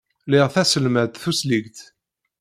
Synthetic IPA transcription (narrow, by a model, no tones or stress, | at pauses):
liʁθæsəlmæd̪θusliɡt̪